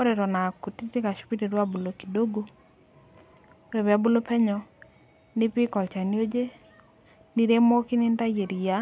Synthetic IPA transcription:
o˦ɾe˨ɾɔ˨na˨ku˨ti˦ti˦ka˨ʃu̥˨˦pi˦ɾe˨ɾwa˦bu˨lo˨ki˨do˦ɡo˦ | o˦ɾe˨βa˨˦bu˦lo˦pɛ˦ɲɔ˨ | nɪ˦pi˦kɔ˨lt͡ʃa˨ni˦o˦d͡ʒe˦ | ni˦ɾe˦mo˦ki˦nɪ˦n˦ta˦je˨ɾi˨ja˦

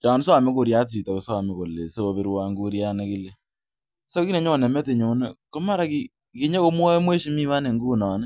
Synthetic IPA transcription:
t͡ʃa˨n˦sa˨mɪ˦ko˨ɾja˦t̬i˨ta˨ko˨sa˨mɛ˨ko˨le˨so˦o˨βi˨˦ɾwa˦ŋɡu˦ɾja˦ne˦ki˦le˨ | so˦ki˦ne˨ɲo˦˨nɛ˨mɛ˦te˨ɲo˨nɛ˦ko˦ma˦ɾa˨ki˨ | ki˨ɲe˦ko˦mwɔ˦mwe˦ʃi˨mi˦wa˦ne˨ŋɡuː˦nɔ˨nɛ˦

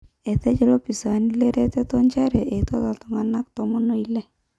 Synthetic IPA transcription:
ɛ˨t̪ɛ˦t͡ʃɛ˦lɔ˦pi˨sa˨nilɛ˦ɾɛ˦t̪ɛ˦t̪ɔ˦ɲt͡ʃa˦ɾɛ˨ʔe˨t̪ɔ˦ta˨t̪ɔ˨ŋa˨na˦k̚t̪ɔ˨mɔ˦no˨i˦lɛ˦

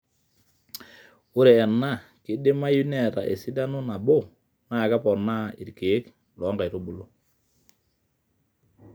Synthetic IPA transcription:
ʊ˦ɾe˨ɛ˨na˦˨ | kɪ˨˦dɪ˦ma˦ju˦nɛ˨ɾa̰˨ʔḛ˨si˦da˦nʊ˦na˨bo˦ | na˦˨ka˦pɔ˨na˦˨ḭ˨ɾke˨˦k | lɔ˨˦ŋɡa˨jɾo˦bu˨lo˦

